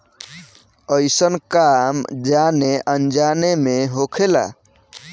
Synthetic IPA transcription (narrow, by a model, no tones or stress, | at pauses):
əɪsənkamd͡ʒaneʔənd͡ʒanemeɦokʰela̰